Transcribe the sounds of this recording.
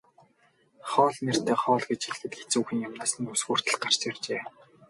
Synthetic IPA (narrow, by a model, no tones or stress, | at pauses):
χɔːɮner̥t̪eːχɔːɮɡet͡ɕxixɘ̆t̪xet͡suːxɘ̆ŋjamnaːsɘ̆nusɣuːr̥t̪ɘ̆ɮ̚ɢar̥t͡ɕart͡ɕeː